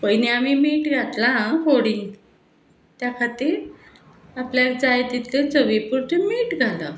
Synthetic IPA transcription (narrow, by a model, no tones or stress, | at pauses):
pəjniamimiːʈɡʱat̪lãkoɽiŋ | t̪jakʰat̪iːɾ | apljakd͡zajt̪it̪let͡səʋipuɾt̪umiːʈɡʱala